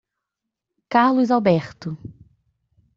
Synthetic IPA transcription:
kaɾlʊzawbɛɾt̪ʊ

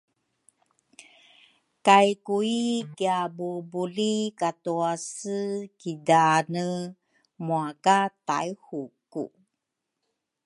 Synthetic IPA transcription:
kajkuikiabubulikatuasəkidanə | muakata̰jhukṵ

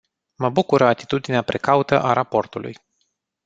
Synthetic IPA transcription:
məbukuɾəat̪i̥t̪ud̪ineapɾʔe̞kaut̪əʔaɾapo̞rt̪ulṵj

